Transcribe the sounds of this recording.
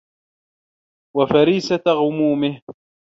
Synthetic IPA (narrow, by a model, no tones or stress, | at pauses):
wafaɾiːsaɣʊmuːmɪh